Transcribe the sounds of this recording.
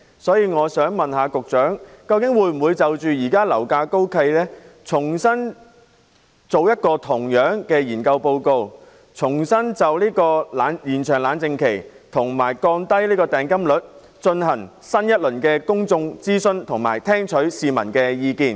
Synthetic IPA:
sɔː˨˥jiː˧ŋɔː˨˧sœː˨˥ŋmɐ˨nhaː˨˧kʊ˨k̚t͡ʃœː˨˥ŋkɐ˧wkɪ˨˥ŋwuː˨˧jm̩˨˩wuː˨˧jt͡sɐ˨wt͡ʃyː˨jiː˨˩kaː˥lɐ˨˩wkaː˧ko˥wkʰɐ˧jlɛː˥t͡sʰʊ˨˩ŋsɐ˥n | t͡so˨wjɐ˥t̚kɔː˧t̪ʰʊ˨˩ŋjœː˨˥ŋkɛː˧jiː˨˩nkɐ˧wpo˧wko˧w | t͡sʰʊ˨˩ŋsɐ˥nt͡sɐ˨wliː˥kɔː˧laː˨˥njiː˨˩nt͡ʃʰœː˨˩ŋlaː˨˧nt͡sɪ˧ŋkʰe˨˩j | t̪ʰʊ˨˩ŋmaː˨˩jkɔː˧nt̪ɐ˥jliː˥kɔː˧t̪ɛː˨ŋkɐ˥mlɵ˨˥t̚ | t͡ʃɵ˧nhɐ˨˩ŋ | sɐ˥njɐ˥t̚lɵ˨˩nkɛː˧kʊ˥ŋt͡sʊ˧ŋt͡siː˥sɵ˧nt̪ʰʊ˨˩ŋma̰ː˨˩jt̪ʰɛː˥ŋt͡ʃʰɵ˨˥ɥsiː˨mɐ̰˨˩nkɛː˧jiː˨˧kiː˨˧n

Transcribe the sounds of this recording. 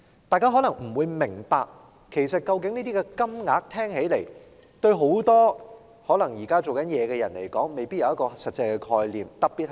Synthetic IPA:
t̪aː˨˧jkaː˥ɦɔː˨˥lɐ˨˩ŋm̩˨˩wuː˨˧jmɪ˨˩ŋpaː˧k̚ | kʰe˨˩jsɐ˨t̚kɐ˧wk̬ɪ˨˥ŋniː˥t̪iː˥kɛ˧kɐ˥mŋaː˨˥k̚t̪ʰɛː˥ŋɦe˨˥jle˨˩j | t̪ɵ˧ɥɦo˨˥wt̪ɔː˥ | hɔː˨˥lɐ˨˩ŋjiː˨˩kaː˥t͡so˨wkɐ˨˦njɛː˨˧kɛː˧jɐ˨˩nle˨˩jkɔː˨˥ŋme˨jpiː˥t̚jɐ˧wjɐ˥kɔː˧sɐ˨t̚t͡sɐ˧jkɛ˧kʰɔː˧jliː˨mt̪ɐ˨˩k̚piː˨t̚h

